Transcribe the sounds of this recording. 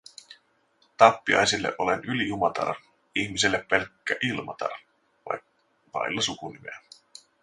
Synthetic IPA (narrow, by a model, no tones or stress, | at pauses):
t̪ɑpːiɑ̰jsilːḛʔo̞lenyliumɑt̪ɑ̰ɾɑ | içmiselːepːe̞lkːæʔilmɑ̰t̪ɑ̰rɑ | ʋɑ̰jk | ʋɑ̰jlːɑsukunimḛæ